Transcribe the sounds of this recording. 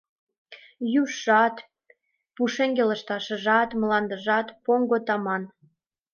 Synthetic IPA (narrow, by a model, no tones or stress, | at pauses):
juʃːɑt̪ | puʃeŋɡelə̆ʃt̪ɑʃə̆ʒɑt̪məlɑnd̪ə̆ʒɑt̪poŋɡot̪ɑmɑn